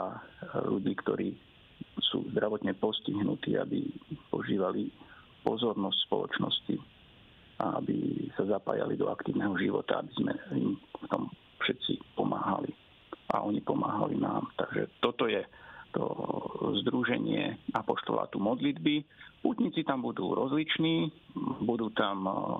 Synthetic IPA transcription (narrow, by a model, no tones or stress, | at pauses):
aʎuɟiːkt̪ɔɾiː | sṵːzd̪ɾaʋɔt̪ɲɛpɔsciɦnut̪iːabipɔʒiːʋali | pɔzɔɾnɔscʲspɔlɔ̰t͡ʃnɔsci | ʔaabisazapaːjalid̪ɔakt̪iːʊnɛɦɔʒiʋɔt̪aabizmɛḭmft̪ɔm | fʃɛt̪t͡sipɔmaːɦali | ʔa̰ʔɔɲipɔmaːɦalinaːmt̪aɡʒɛ̰t̪ɔt̪ɔjɛt̪ɔ̰zd̪ɾuʒɛɲɪɛapɔʃt̪ɔ̰la̰t̪uːmɔd̪lid̪biput̪ɲit͡sit̪ambud̪uːɾɔzlit͡ʃniːbud̪uːt̪am